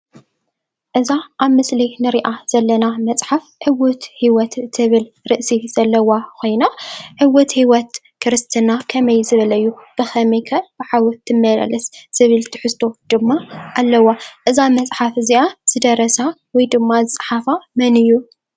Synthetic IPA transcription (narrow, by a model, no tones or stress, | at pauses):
ʔɨzaʔaβmɨslinɨɾiʔaz̥ɐlːɐnamɐt͡sʼħafʕɨwʊt̪hiwɔt̪t̪ʰːɨβɨl | ɾɨʔsiz̥ɐlːɐwakʰo̞jnaħɨwɔt̪hiwɔt̪ | kʰɨɾɨst̪ʰɨnakʰɐmɐjzɨβɐlɐjːub̥ɨxɐmɐjkʰɐb̥ɨħawɔt̪ʰːɨmːɐlɐ̰lɐsz̥ɨβɨlt̪ʰɨ̥ħɨst̪ʰo̞d̪̥ɨmːaʔalːɐwːaʔɨzamɐt͡sʼħafɨziʔaz̥ɨd̪ɐɾɐsawɔjd̪ɨmːazɨt͡sʼħafamɐnɨjːu